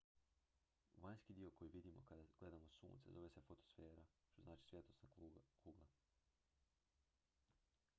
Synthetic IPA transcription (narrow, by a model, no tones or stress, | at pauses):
ʋaɲskid̪iːo̞ko̞jiʋid̪imo̞̰kad̪aɡ̥le̞d̪amo̞sṵːnt̪sḛzo̞ʋesefot̪o̥sfe̞ːɾat̪oznaːt͡ʃi̥sʋjet̪osnakɾuːɡa